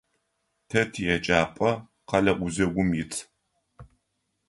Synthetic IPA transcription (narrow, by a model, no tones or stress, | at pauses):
tʰɐtʰijɛt͡ʃʼaːpʼɐ | qɐɮɐʔʷʊzɐɡʷʊmjɪt͡sʰ